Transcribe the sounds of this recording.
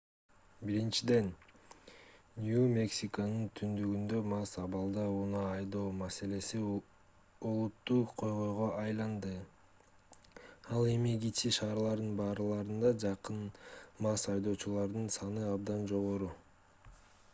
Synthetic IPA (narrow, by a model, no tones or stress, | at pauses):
biɾint͡ʃid̪e̞n | nʲjumʲe̞ksʲikənɯnt̪ʰynd̪yɡynd̪ø̞mɑsɑβɑlˠd̪ɑunɑːjd̪o̞ːmase̞le̞si | olˠut̪ːuqʰo̞jʁo̞jʁo̞ʔɑjlˠɑnd̪ɯ | ɑlˠe̞miɡit͡ʃiʃɑːɾlˠɑɾd̪ɯnbɑːɾɯlˠɑɾɯnd̪ɑd͡ʒɑqɯnmɑsɑjd̪o̞ːt͡ʃulˠɑɾd̪ɯnsɑnɯɑbd̪ɑnd͡ʒo̞ʁo̞ɾu